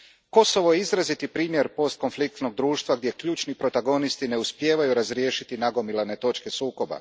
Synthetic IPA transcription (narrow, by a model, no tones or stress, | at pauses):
ko̞so̞ʋo̞jeizɾazit̪ipɾiːmjeɾpo̞st̪̚ko̞nflik̚t̪no̞ɡ̚d̪ɾuːʃt̪ʋaɡd̪je̞kʎuːt͡ʃnipɾo̞t̪aɡo̞nist̪ine̞uspje̞ːʋajuɾazɾje̞ːʃit̪inaɡo̞milˠane̞t̪o̞t͡ʃke̞suːko̞ba̰